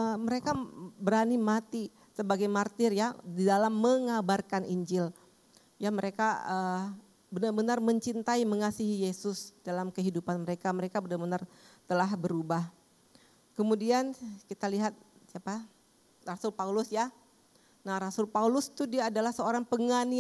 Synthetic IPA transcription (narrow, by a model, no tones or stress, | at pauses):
əməɾekabəɾanimat̪i | səbaɡajmart̪ɪrjadidalamːəŋabarkanʔiɲd͡ʒɪl | jaməɾekaə | bənarbənarməɲt͡ʃint̪aiməŋasiɦijesʊsdalamkəɦidupanməɾekaməɾekabənarbənart̪əlahbəɾubah | kəmudiankit̪aliɦat̪̚ | siapa | rasʊlpaulʊsja | nahɾasʊlpaulʊst̪udiaːdalahsəoɾaŋpəŋani